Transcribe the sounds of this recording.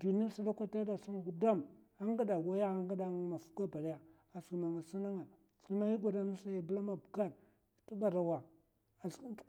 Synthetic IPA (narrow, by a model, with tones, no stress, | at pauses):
du˨n˦a˦si˦da˦kʷa˦ta˦da˨su˦ŋ˨ɡu˨da˦˨m | a˦ŋ˦ɡa˦da˨ɡa˦ja˦a˦ŋɡa˦da˨ŋ˦ma˨fu̥˦ka˦ba˨la˦ja˨ | a˨si˨ma˨ŋa˨si˦na˦ŋa˨ | si˦ma˦i˦ɡʷa˨da˦na˦sa˦ja˨bla˦ma˨bka˦˨ɾ | tu˦ba˨ɾa˨wa˨ | ḁ˨˦